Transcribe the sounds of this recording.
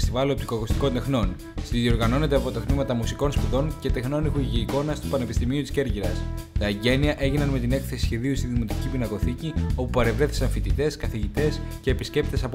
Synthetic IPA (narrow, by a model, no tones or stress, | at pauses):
st̪ivɐlop̚t̪ikoɐɣost̪i̥ko̞nt̪e̞xno̞n | st̪iðio̞ɾɣɐno̞ne̞t̪e̞ɐpo̞t̪ɐt̪mimɐt̪ɐmusiko̞nspuðo̞ncet̪exno̞nixuʝiːko̞nɐst̪u̥pɐne̞pist̪imiut̪i̥sce̞ɾʝiɾɐst̪ɐeɲɟe̞niɐʔe̞ʝinɐnme̞t̪ine̞kθe̞si̥sçe̞ðiust̪iðimo̞t̪i̥cipinɐko̞θicio̞pupɐɾe̞vɾe̞θi̥sɐnfit̪it̪e̞skɐθiʝit̪e̞sce̞ːpisce̞p̚t̪e̞sɐp